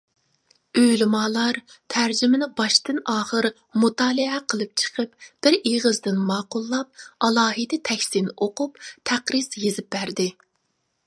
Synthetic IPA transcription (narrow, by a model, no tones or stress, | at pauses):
øjlɪmɑːlˠɑɾt̪ʰæɾd͡ʒymɪnɪbɑʃt̪ɨnɑːχəɾ | mut̪ɑːlˠɨɛqʰəlˠɨp̚t͡ʃʰə̥qʰəp̚b̥ɪɾeʁəzd̪ɪnmɑːqʊlˠːɑp̚ɑlˠɑːɦɨd̪ɪt̪ʰɛkʲsɪnoqupt̪ʰæqɾɨsjezɪp̚bæɾd̪ɪ